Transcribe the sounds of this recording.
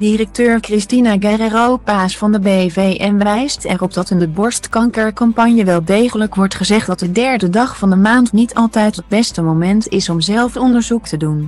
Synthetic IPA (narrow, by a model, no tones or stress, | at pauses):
dirək̚tøːɹkrɪstinaɡɛrərowpaːsfɑndəbevejʔɛnʋʋɛjstɛrɔp̚d̥ɑtənbɔɹstkɑŋkəɹkɑmpɑɲjəʋɛlˠdejχələkʋɔɹtχəzɛχtdɑt̚dədɛɹdədɑχfɑndəmaːntnitʰɑlˠtɛjtəd̚bɛstəmomɛntɪsɔmzɛlˠfɔndəɹzuktədun